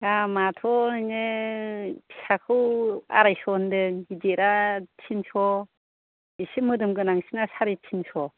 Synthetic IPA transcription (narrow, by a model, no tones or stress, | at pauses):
ɡamatʰɔnɯŋɯ | pʰi̥sʰakʰɯwa̰ɾajsɔndɯŋɡideɾatʰimsʰɔ | isɯmɯdɯmɡɯnaŋsinasaɾitʰimsʰɔ